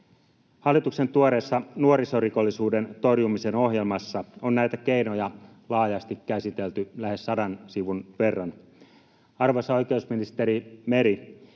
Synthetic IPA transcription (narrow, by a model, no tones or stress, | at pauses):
hɑlːˑit̪ukse̞nt̪uoɾe̞ːsːɑnuoɾiso̞riko̞lːisuːde̞nt̪o̞rjumise̞no̞ɦje̞lmɑsːɑonnæjt̪ækeino̞jɑ | lɑːjɑst̪ikːæsit̪e̞lt̪ylæhe̞sːɑdɑnsiʋunʋe̞rːɑn | ɑrʋosɑo̞jkeusminist̪e̞ɾime̞ɾi